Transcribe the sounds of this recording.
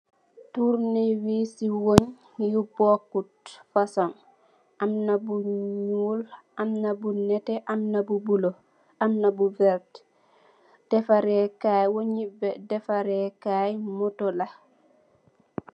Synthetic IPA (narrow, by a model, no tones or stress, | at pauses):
tuɾniwisiwoɲ | jubokːutfasɔn | ʔamnabuɲulʔamnabunɛtɛʔamnabubulo | amnabuvɛɾt | d̥ɛfaɾɛkajwoɲibɛdɛfaɾɛkajmotola